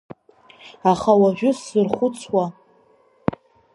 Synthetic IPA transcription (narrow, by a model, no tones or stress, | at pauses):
aχawaʒᶣʊszɨrχʷʊt͡sʰwa